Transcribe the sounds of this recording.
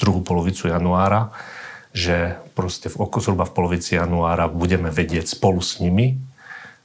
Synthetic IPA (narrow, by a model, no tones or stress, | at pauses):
t̪ɾuɦupɔlɔʋit͡sujanuaːɾa | ʒɛpɾɔscɛvɔkɔzɾubafpɔlɔʋit͡sijanuaːɾabuɟɛmɛʋɛɟɪɛcspɔlusɲimi